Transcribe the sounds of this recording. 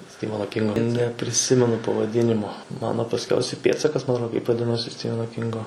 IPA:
ˈsʲtʲɪʋɐnoː ˈkʲɪŋɡoː nʲɛpʲrʲɪˈsʲɪmʲɛnʊ pɐʋɐˈdʲɪnʲɪmoː ˈmɑːnoː pɐsʲˈkʲɛʊsʲɛ ˈpʲeːtsɐkɐs mɐ ɐtˈroː kɐɪp ʋɐˈdʲɪnoːsʲɪ ˈsʲtʲɪʋʲɛnoː ˈkʲɪŋɡoː

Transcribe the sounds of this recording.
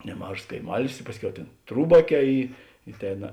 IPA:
nʲɛˈmɐʃs kɐɪˈmɑːlʲɪs ɪ ˈpɑːsʲˌkʲɛʊ ˈtʲeːn ˈtruːbɐˌkʲɛː ˈiː ɪ ˈtʲeːnɐ

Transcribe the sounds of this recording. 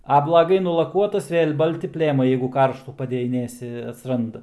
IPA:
ɐ blˠɐˈɡɐɪ nʊlˠɐˈkuɔtɐs ˈʋʲeːlʲ ˈbɐlʲtʲɪ ˈpʲlʲeːmɐɪ ˈjɛɪɡʊ ˈkɐrʃtuː pɐdʲɛjɪˈnʲeːsʲɪ ɐtsˈrɐndɐ

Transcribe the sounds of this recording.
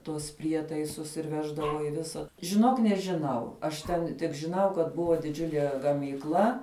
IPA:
ˈtuɔs ˈpʲrʲiɛtɐɪsʊs ɪr ˈʋʲæːʒdɐʋoː ɪ ˈʋʲɪsɐ ʒʲɪˈnoːk nʲɛʒʲˈɪnɐʊ ɐʃ tʲˈɛn tʲɪk ʒʲɪˈnɐʊ ˈkɐt ˈbʊʋoː dʲɪˈd͡ʒʲʊlʲiɛ ɡɐmʲiːkˈlˠɐ

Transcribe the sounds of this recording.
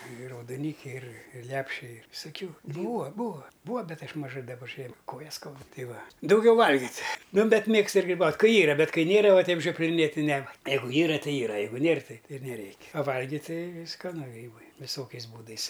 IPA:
ɪr rɐʊdoːˈnʲiːkʲɛɪ ɪr ɪr ˈlʲæːpʲʃʲɛɪ ʋʲɪsɐˈkʲʊ ˈbuːɐ ˈbuːɐ ˈbuːɐ ˈbʲɛt ˈɐʃ mɐˈʒɐɪ dɐˈbɐ ʒʲiɛ ˈkoːjɛs ˈskɐʊdʊ ˈtɐɪ ˈʋɐ dɐʊˈɡʲɛʊ ˈʋɐlʲɡʲɪtʲ ˈnʊ ˈbʲɛt ˈmʲeːkstʊ ɪr ɡrʲɪˈbɐʊtʲ ˈkɐɪ ˈiːrɐ ˈbʲɛt ˈkɐɪ ˈnʲeːrɐ ˈʋɐ ˈtʲɛɪp ʒʲoːpʲlʲɪˈnʲeːtʲ tʲɪ ˈnʲɛ ˈjɛɪɡʊ ˈiːrɐ tʲɪ ˈiːrɐ ˈjɛɪɡʊ ˈnʲeːr ˈtɐɪ ɪr nʲɛˈrʲɛɪkʲ ɐ ˈʋɐlʲɡʲɪt ˈtɐɪ skɐˈnʊ ˈɡrʲiːbɐɪ ʋʲɪˈsoːkʲɛɪs ˈbuːdɐɪs

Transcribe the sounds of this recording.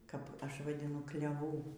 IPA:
kɐp ˈɐʃ ʋɐdʲɪˈnʊ klʲɛˈʋuː

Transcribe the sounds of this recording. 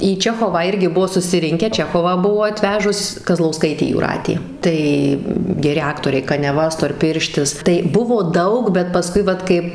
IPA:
iː ˈt͡ʃʲæːxoːʋɑː ˈɪrʲɡʲɪ ˈbʊʋoː sʊsʲɪˈrʲɪŋʲkʲæː ˈt͡ʃʲæːxoːʋɑː ˈbʊʋoː ɐˈtʲʋʲæːʒʊs kɐzlˠɐʊˈskɐɪtʲeː juːˈrɑːtʲeː ˈtɐɪ ɡʲɛˈrʲɪ ˈɑːktoːrʲɛɪ kɐnʲɛˈʋɐ stoːrʲˈpʲɪrʲʃʲtʲɪs tɐɪ ˈbʊʋoː ˈdɐʊk bʲɛt pɐˈskʊɪ ˈʋɐt kɐɪp

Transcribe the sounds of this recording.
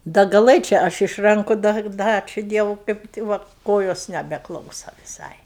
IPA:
dɐ ɡɐˈlˠɘt͡ʃʲɛ ˈɐʃ ɪʃ ˈrɐŋkʊ dɐ ˈdɐ ˈɑːt͡ʃʲʊ ˈdʲiɛʋʊ kɐɪp tʲɪ ˈʋɐ ˈkoːjoːs nʲɛbʲɛˈklˠɐʊsɐ ʋʲɪˈsɐɪ

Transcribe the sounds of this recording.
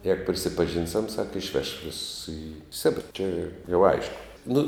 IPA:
ˈjæːɡʊ pʲrʲɪsʲɪpɐˈʒʲiːnʲsʲɛm sɐk ɪʃʲˈʋʲɛʃ ʋʲeːss ɪ ˈsʲæːbʲɪrɐ t͡ʃʲɛ jɛʊ ˈɐɪʃkʊ nʊ

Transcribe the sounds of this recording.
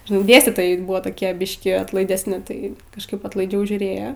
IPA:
ʒʲɪˈnɐɪ ˈdʲeːsʲtʲiːtoːjɛɪ ˈbʊʋoː toːˈkʲiɛ ˈbʲɪʃʲkʲiː ɐtlˠɐɪdʲɛsʲˈnʲɪ ˈtɐɪ kɐʃˈkɐɪp ɐtlˠɐɪˈd͡ʒʲɛʊ ʒʲuːˈrʲeːjoː

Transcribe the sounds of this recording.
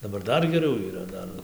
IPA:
dɐˈbɐr ˈdɐr ɡʲɛˈrʲɛʊ iːˈrɐ ˈdɐr

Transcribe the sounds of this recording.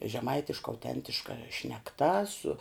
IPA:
ʒʲɛˈmɐɪtʲɪʃkɐ ɐʊˈtʲɛnʲtʲɪʃkɐ ʃʲnʲɛkˈtɐ sʊ

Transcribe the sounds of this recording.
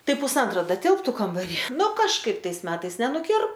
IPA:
ˈtɐɪ pʊsˈɐntroː ˈdɐ ˈtʲɪlˠptʊ kɐmbɐˈrʲiː ˈnʊ kɐʃˈkɐɪp ˈtɐɪs ˈmʲæːtɐɪs nʲɛnʊˈkʲɪr

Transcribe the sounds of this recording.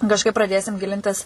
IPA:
kɐʃˈkɐɪp prɐˈdʲeːsʲɪm ˈɡʲɪlʲɪnʲtʲɪs

